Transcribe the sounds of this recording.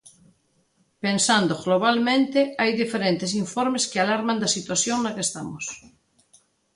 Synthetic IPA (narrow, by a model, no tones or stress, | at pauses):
pensand̪oɣloβ̞almẽnt̪eajðifeɾent̪es̬iɱfoɾmeskealaɾmãnd̪asit̪waθjoŋnakest̪amos